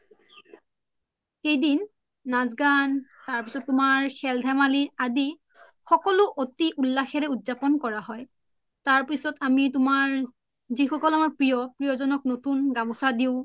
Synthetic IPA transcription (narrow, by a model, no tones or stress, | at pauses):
xejdinː | azɡantaɹpisɔtːʊmaɹxɛldʱamaliadi | xɔkɔlʊʔotiʔulːaxɛɹɛudzapɔnkɔɹaɦɔj | taɹpisɔtamitʊmaɹ | zixɔkɔlamaɹpɹijɔpɹijɔzɔnɔk̚notunɡamɔsadiʊ̃